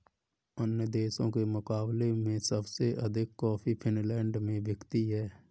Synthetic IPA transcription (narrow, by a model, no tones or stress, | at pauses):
ənjəd̪eːʃõkemʊkaːblemẽsəbseʔəd̪ʱɪkːɔːpʰipʰɪnlɛ̃ːɳɖmẽʋɪkt̪iɦɛː